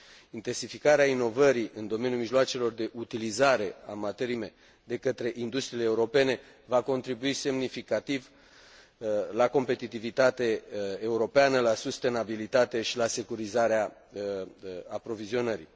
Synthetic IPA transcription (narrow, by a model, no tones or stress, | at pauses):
int̪e̞nsifikaɾeaino̞vəɾiʔɨnd̪o̞me̞njumiʒloat͡ʃe̞lo̞rd̪e̞ʔut̪ilizaɾe̞amat̪e̞ɾime̞ | d̪e̞kət̪ɾe̞ʔind̪ust̪ɾiːleuɾo̞pe̞ne̞ | vako̞nt̪ɾibuise̞mnifikat̪iv | lako̞mpe̞t̪it̪ivit̪at̪e̞ːuɾo̞peanəlasust̪e̞nabilit̪at̪e̞ʃilase̞kuɾizaɾea | apɾo̞vizio̞nəɾḭ